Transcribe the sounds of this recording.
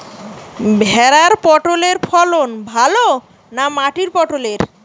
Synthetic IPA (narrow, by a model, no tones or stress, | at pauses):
bʱɛɾaɾpɔʈoleɾfʰɔlonbʱalo | namaʈiɾpɔʈoleɾ